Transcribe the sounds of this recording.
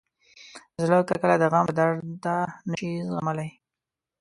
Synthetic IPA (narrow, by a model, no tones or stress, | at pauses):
zlokakəlad̪əɣaməd̪aɾt̪anəʃizɣamalaj